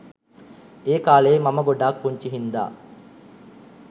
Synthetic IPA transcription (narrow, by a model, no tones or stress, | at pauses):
eːkaːleːmɐməɡoɖaːk̚puɲt͡ʃiɦind̪a̰ː